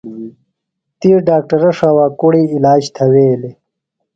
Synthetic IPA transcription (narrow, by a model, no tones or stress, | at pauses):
t̪iːɾɖaːk̚ʈɐɾɐʂawaːkuɽiilaːd͡ʑt̪ʰɐweːli